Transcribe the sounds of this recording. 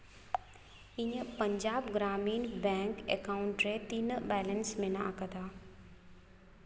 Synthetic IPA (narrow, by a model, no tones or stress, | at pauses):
ĩjəpɐ̃ɲd͡ʑaːbɡɾaːmiːnbɛ̃ːŋkekaːʊ̃ɳʈɾet̪inbɛːlənsmẽnaakət̪aː